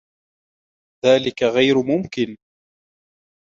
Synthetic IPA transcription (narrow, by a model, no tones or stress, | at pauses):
ðaːlɪkaɣajɾʊmʊmkɪn